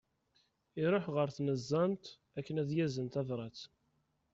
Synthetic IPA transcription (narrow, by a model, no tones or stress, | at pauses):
iɾˤoħʁəɾθnəzˤːɑnt̪ | ækːənæðjæzənt̪ævɾˤɑt͡s